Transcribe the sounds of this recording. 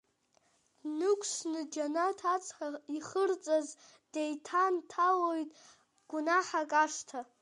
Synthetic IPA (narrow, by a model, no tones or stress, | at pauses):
nɨkʷʰsnɨd͡ʒanatʰat͡sʼħaiχərt͡sʼaz | d̥ejtʰantʰalojtʼ | ɡ̥ʷunaħakʼaʂtʰa